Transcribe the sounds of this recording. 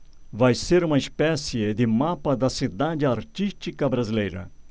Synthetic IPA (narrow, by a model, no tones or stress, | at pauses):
vajseɾũmɐispɛsiɪd̪ɪmapɐd̪ɐsid̪ad͡ʒɪaɾt͡ʃiʃt͡ʃikɐbɾazilejɾɐ̰